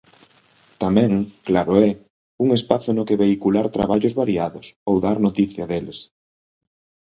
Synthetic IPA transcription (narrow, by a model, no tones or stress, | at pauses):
t̪amɛ̃ŋklaɾoɛ | uŋespaθʊnokeβeikulaɾt̪ɾa̰βaʎozβaɾiaðʊsowðaɾnot̪iθjɐðeles